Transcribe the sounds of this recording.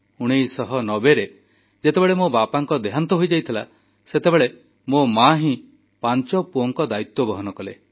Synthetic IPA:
uɽ̃ejsɔɦɔnɔbeɾe | d͡ʒet̪ebeɭemobapaŋkɔd̪eɦant̪ɔɦojd͡ʒajt̪ʰila | set̪ebeɭe | momaɦĩ | paɲt͡ʃɔpuɔŋkɔd̪ait̪wɔbɔɦɔnɔkɔle

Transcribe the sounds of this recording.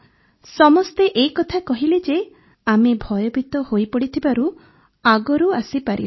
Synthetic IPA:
sɔmɔst̪eʔejkɔt̪ʰakɔɦiled͡ʒe | amebʱɔjɔbʱit̪ɔhojpɔɽit̪ʰibaɾu | aɡɔɾuasipaɾḭl

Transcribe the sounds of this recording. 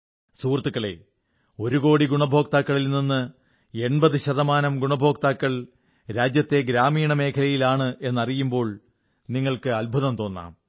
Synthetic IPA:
suːrt̪ːukːɐɭe̞̰ | o̞ɾuɣo̞ːɽiɡuɳɐbʱo̞ːk̚t̪aːkːɐɭilninːɨ | e̞ɳbɐðɨɕɐðɐmaːnɐmɡuɳɐbʱo̞ːk̚t̪aːkːɐɭ | ɾaːd͡ʑjɐt̪ːe̞ɡɾaːmiːɳɐme̞ːkʰɐlɐjilaːɳɨʔe̞nːɐrijumbo̞ːɭ | niŋːɐɭkɨɐlbʱuðɐmt̪o̞ːnːa̰ːm

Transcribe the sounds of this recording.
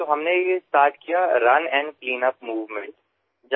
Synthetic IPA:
t̪oɦɐmnejesʈaːɾʈkijaɾɐnɛ̃ːɳɖ̚pliːnəp̚muːʋmẽɳʈ | d͡ʒ

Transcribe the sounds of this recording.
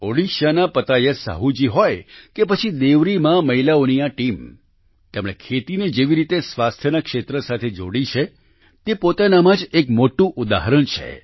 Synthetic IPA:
oɽiʃjanapət̪ajesə̰ɦud͡ʒiɦojkepət͡ʃʰid̪eʋɾimãməɦilaonijaʈim | t̪emɽekʰet̪ined͡ʒeʋiɾit̪esʋast̪ʰjənakʃet̪ɾəsat̪ʰed͡ʒo̰ɽit͡ʃʰe | t̪epot̪anamãd͡ʒekmoʈũʔud̪aɦɾəɳt͡ʃʰḛ

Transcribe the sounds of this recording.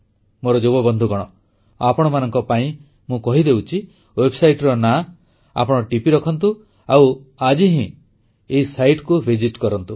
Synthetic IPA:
moɾɔd͡ʒobɔbɔnd̪ʱuɡɔɽ̃ɔ | apɔɽ̃ɔmanɔŋkɔpaĩ | mũkɔɦid̪ewut͡ʃʰi | webʱsajʈɾɔna | a̰pɔɽ̃ɔʈipiɾɔkʰɔnt̪u | awad͡ʒiɦĩ | eisajʈkubʱid͡ʒiʈkɔɾɔnt̪u

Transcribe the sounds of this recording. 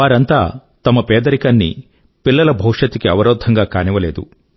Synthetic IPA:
aːɾɐnt̪aː | t̪ɐmɐpɛːd̪ɐɾikɐnːḭ | pilːɐlɐbʱɐwʂɐt̪ikiɐʋɐɾoːd̪ʱɐŋɡaːkaːniʋɐleːd̪ṵ

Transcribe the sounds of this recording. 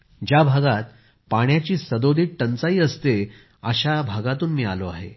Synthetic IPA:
d͡ʑjabʱaɡat̪̚ | paɳ̃jat͡ɕiːsəd̪od̪ʱiːk̚ʈənt͡saiːəst̪e | aɕabʱaɡat̪uːnmiːa̰loa̰ɦḛ

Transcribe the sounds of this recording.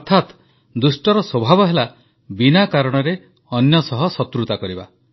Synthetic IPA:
ɔɾt̪ʰat̪ | d̪usʈɔɾɔswɔbʱabɔɦela | binakaɾɔɽ̃ɔɾe | ɔnjɔsɔɦɔsɔt̪ɾut̪akɔɾiba̰

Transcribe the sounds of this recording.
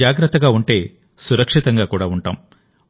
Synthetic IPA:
aːɡɾɐt̪ːɐɡaːuɳʈe̞ː | suɾɐkʂit̪ɐŋɡaːkuːɽaːuɳʈa̰ːm

